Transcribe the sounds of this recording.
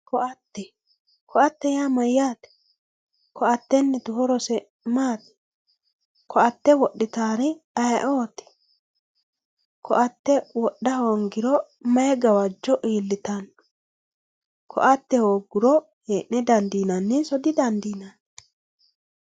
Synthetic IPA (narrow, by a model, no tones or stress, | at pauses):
kɔʔɐt̪ːɛ | kʰɔɐt̪ːɛjaːmɐjːaːt̪ɛ̥ | kʰɔʔɐt̪ːɛnːɛt̪ʊhɔɾɔsɛ | maːt̪ɛ̥ | kɔʔɐt̪ːɛwɔɗːɪt̪aːɾɛɐjʔoːt̪ɛ̥ | kʰɔʔɐt̪ːɛwɔɗːɐhoŋɡɪɾɔ | mɐjɛɡɐwɐd͡ʒːɔʔiːlːɪt̪ɐn | kʰɔ̰ʔɐt̪ːɛhoːɡʊɾɔ | heːʔnɛd̪ɐnd̪iːnɐnːɪsɔd̪ɪd̪ɐnd̪iːnɐn